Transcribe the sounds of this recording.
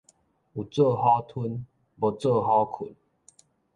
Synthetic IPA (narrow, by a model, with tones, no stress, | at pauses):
u˨˩t͡sə˥˧˨ha˦t̪ʰu˦n | bɔ˨t͡sə˥˧˨ɦa˦kʰṵ˨˦n